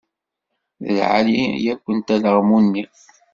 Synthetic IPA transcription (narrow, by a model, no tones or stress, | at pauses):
ðə̰lʕa̰lijækʷːənt̪æləʁmunːi